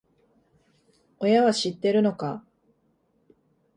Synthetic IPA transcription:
o̞jaβaɕit̪ːe̞ɾɯ̟no̞ka

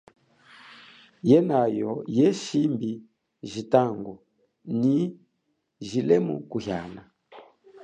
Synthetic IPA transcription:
jɛnajɔjɛʃimbi | ʒitaŋɡɔ | ni | ʒilɛmṵkuhjana

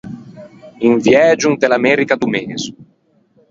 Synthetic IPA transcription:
iɱvjɛːd͡ʒuŋd̪elamɛːɾikad̪umeːz

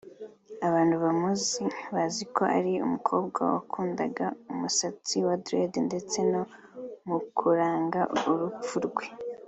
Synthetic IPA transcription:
aβaːnduβamuziβazikʰo̞ʔa̰ɾiṵmukʰo̞ːbɡa̰wa̰kʰuːnda̰ɡaumusat͡siwadɾedende̞t͡se̞no̞mukʰuɾaːŋɡaʔuɾup͡fuɾɡwe̞

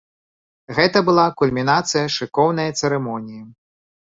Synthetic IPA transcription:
ɣɛt̪ɐbɨlˠakulʲmʲinat̪sɨjɐʂɨkɔwnɐjɐt̪sɛɾɛmɔnʲiji

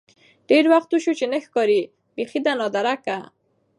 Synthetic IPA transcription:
ɖ̥eɾwaxt̪uʃut͡ʃenəxkɑɾi | bexid̪anɑd̪aɾaka

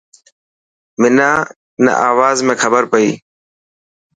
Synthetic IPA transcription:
mɪnaː | ɪnə̰ʔaːʋaːzmẽːxʰəbəɾpəiː

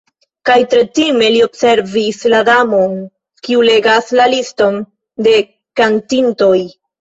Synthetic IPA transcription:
kajtɾe̞time̞lio̞bse̞ɾvisladamo̞n | kiule̞ɡaslalisto̞n | de̞ | kantinto̞j

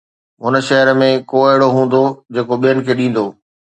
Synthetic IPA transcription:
ɦʊnə̆ʃɐɦəɾəmẽkoːɪɦɪɽoɦũːn̆d̪od͡ʑeːkoɓijənɪ̆kʰeːɗĩːn̆d̪oː

